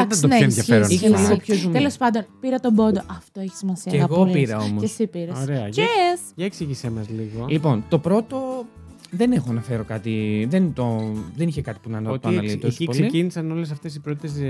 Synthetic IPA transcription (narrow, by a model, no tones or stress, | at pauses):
ɐt̪ɐt̪neenðjɐçeɾoixeneliɣopçozumelo̞spɐnd̪o̞npiɾɐt̪o̞bo̞d̪oʔɐft̪oeçi̥simɐsiɐeɐɣo̞piɾɐo̞mosesipiɾɐsoɾeɐesjɐeksiʝisemɐzliɣolipo̞nt̪o̞pɾo̞t̪o̞ | ðene̞xoɐnɐfe̞ɾo̞kɐt̪iðent̪oðeniçekɐt̪i̥punɐnt̪oɐnɐlist̪osipolseiinisɐno̞les̬ɐft̪e̞s̬ipɾot̪it̪es̬